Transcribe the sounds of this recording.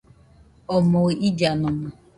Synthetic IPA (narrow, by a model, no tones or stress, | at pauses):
ɔmʊɣid͡ʒanʊma